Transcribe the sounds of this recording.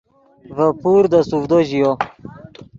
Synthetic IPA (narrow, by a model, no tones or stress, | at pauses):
vəpuɾd̪əsuvd̪oʑijo